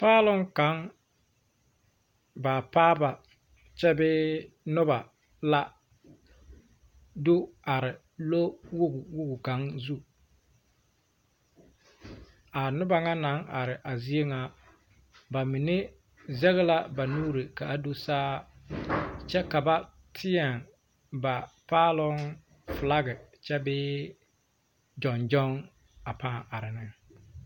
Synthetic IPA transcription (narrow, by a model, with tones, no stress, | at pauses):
paː˦lʊ˦ŋka˨˦ŋ | baː˨paː˦ba˨ | t͡ʃɛ˦bɪ˦ | nʊ˦ba˨ | la˦ | dʊ˦a˨ɾɪ˨ | lo˦wu˦ɡwu˦ɡu˨ka˨˦ŋzu˦ | a˨nʊ˦ba˨ŋa˦na˨˦ŋʔa˨ɾɪ˨ʔa˨zi˦e˦ŋa˦ | ba˨mi˨ne˦ | zɛ˦ɣɪ˦la˦ba˨nuː˦ɾi˨ka˨ʔa˦do˦saː˦ | t͡ʃɛ˦ka˨ba˦ | tʰɪ˦ɛ˨ŋ | ba˨paː˦lɔ˦ŋ | fla˦ɣɪ˨t͡ʃɛ˦bɪː˦ | d͡ʒɔ˨nd͡ʒɔ˦ŋ | a˨pa˦˨a˨ɾɪ˨nɪ˦